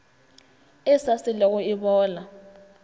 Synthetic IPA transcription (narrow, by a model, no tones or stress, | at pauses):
ɛsasilɛk̬ɔiɓɔːla